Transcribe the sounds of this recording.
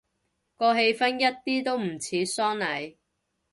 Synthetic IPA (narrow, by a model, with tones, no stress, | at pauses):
kɔː˧ɦe˧jfɐ˥njɐ˥t̚t̪iː˥t̪o˥wm̩˨˩t͡sʰiː˨˥sɔː˥nlɐ˨˥j